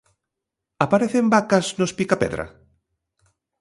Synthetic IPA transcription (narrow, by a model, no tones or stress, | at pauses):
apaɾeθembakaznospikapɛ̰ðɾa̰